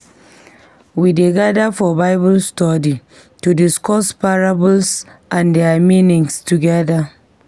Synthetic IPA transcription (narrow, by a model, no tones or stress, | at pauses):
wideɡadafɔbaɪbɔlstɔdi | tudɪskɔspaɹabɔlsʔãndɛaminɪ̃ŋstuɡɛda